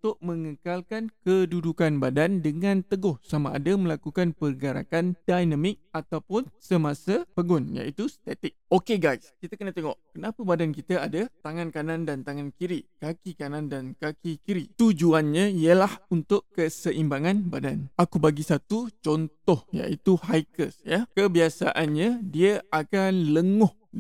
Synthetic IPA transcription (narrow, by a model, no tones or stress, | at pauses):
unt̪ʊʔ̚məŋəkalkankədudukanbadandəŋãnt̪əɡɔhsamaʔa̰daməlakukanpərɡaɾa̰kand̥ajnamɪk̚at̪awpʊnsəmasapəɡʊnja̰ʔit̪ust̪ɛt̪ɪk̚okeɡajskit̪akənat̪eŋɔʔkənapəbadankit̪aadat̪aŋãnkanandant̪aŋankiɾiʔkakikanandankakikiɾiʔt̪ud͡ʒuanɲaijəlahunt̪ʊʔkəsəʔimbaŋanbadanʔakubaɡisat̪ut͡ʃɔnt̪ɔhja̰ʔit̪uhajkəsjakəbiasaʔanɲãdiəakanləŋʊh